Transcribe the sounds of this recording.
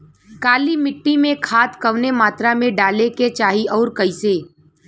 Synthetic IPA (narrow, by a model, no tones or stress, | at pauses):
kaːlimɪʈːimẽkʰaːt̪kɐʋnemaːt̪ɾamẽɖaːleket͡ʃaːɦiɔːɾkɐiseː